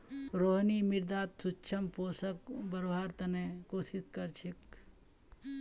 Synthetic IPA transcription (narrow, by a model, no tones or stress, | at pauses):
ɾoɦnimiɾd̪at̪sutːt͡ʃʰəmposəkbəɾoɦaɾt̪ənekosiskəɾt͡ʃʰik